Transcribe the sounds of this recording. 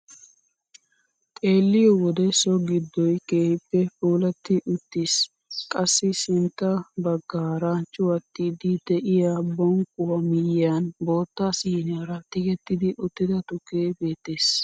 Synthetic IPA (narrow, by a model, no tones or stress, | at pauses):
t̪ʼe̞ːlːɪjɔwɔd̪ɛsɔɡɪd̪ːɔjke̞ːhɪpːɛfuːlɐt̪ːɪʔʊt̪ːis | kʼɐsːɪsɪnt̪ːɐbɐɡːaːɾat͡ʃʼʊwɐt̪ːɪd̪ɪd̪ɛʔɪjabɔŋkʼʊwɐmɪjɪanbo̞ːt̪ːasiːnɐɾɐt̪ɪkɛt̪ːɪd̪ɪʔʊt̪ːɪd̪ɐt̪ʊkːeːbe̞ːt̪ːe̞ːs